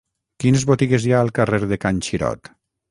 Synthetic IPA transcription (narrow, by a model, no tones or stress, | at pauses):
kinezβot̪iɣezjaəlˠkareɾðekanʲt͡ʃiɾɔ̰t̪